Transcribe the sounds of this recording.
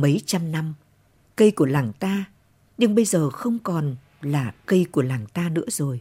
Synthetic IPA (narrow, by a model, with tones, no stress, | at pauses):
mə˨˦jt͡ɕa˧mna˧m | kə˧jku˧˩əlaː˨˩ŋt̪aː˧ | ɲɨ˧ŋɓə˧jzəː˨˩xə˧wŋ͡mkɔ˨˩n | laː˨˩kə˧jku˧˩əlaː˨˩ŋt̪aː˧nɨ̰˧˥əzo˨˩j